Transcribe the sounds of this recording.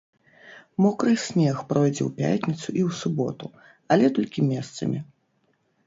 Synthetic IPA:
mɔkɾɨsʲnʲɛxpɾɔjd͡zʲɛ̰wpʲa̰tʲnʲit̪suʔiwsubɔt̪u | ɐlʲɛt̪ɔlʲkʲimʲɛst̪sɐ̰mʲi

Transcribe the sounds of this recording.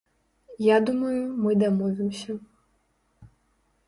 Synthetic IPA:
jad̪umɐjumɨd̪amɔvʲɪmsʲɐ

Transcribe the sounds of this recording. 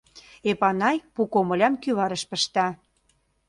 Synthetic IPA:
epɑnɑjpukomə̆lʲɑmkyβɑɾə̆ʃpə̆ʃt̪ɑ

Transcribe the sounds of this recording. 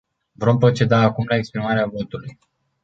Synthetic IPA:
vɾo̞mpɾo̞t͡ʃe̞d̪aːkumlaekspɾimaɾeavo̞t̪uluj

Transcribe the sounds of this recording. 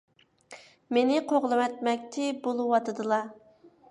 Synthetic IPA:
menɪqʰoʁlˠɨmɛt̪̚mɛk̚ʲt̪ʰɪbolˠuwɑt̪ʰɨd̪ɨlˠɑ

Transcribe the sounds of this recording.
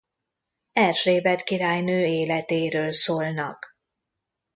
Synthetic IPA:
ɛrʃreːbɛt̪kiɾaːjnøːeːlɛt̪eːɾøːlsoːlnɒk

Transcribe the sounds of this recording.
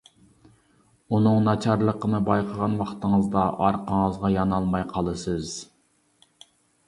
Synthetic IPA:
unɨŋnɑt͡ʃʰɑɾlˠəqʰənɨbɑjqʰəʁɑnwɑχt̪ʰəŋəzd̪ɑʔɑɾqʰəŋəzʁɑjɑnɑlˠmɑjqʰɑlˠɨsɨz

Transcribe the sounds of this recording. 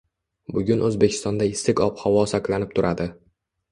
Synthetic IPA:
bʊɡʲʊnɵzbe̞kʲʰɪ̥st̪ɒnd̪aɪst̪ɪkʲɒphawɒsaklanɪp̚t̪ʰʊɾʔad̪ɪ

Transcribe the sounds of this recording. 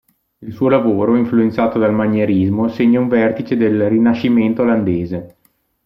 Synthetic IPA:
ilsuːolavoːɾoiɱfluent̪saːt̪od̪almaɲːeɾizmoseɲːauɱvɛrt̪it͡ʃed̪elrinaʃiment̪oːland̪eːze

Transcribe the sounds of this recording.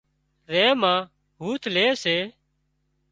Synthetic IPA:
ɾẽːmãː | ɦuːt̪ʰleːseː

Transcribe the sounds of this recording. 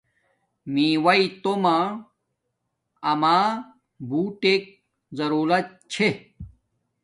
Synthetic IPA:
mĩːwɐit̪omã | ɐmaː | buːʈek̚ | zɐɾuːlɐt̪̚t͡ɕʰe

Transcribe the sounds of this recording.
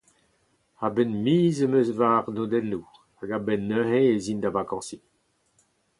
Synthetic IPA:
abɛnmiːzəmøsvaʁnod̪ɛnːu | aɡabɛnːøɦẽezind̪avakɑ̃ːsi

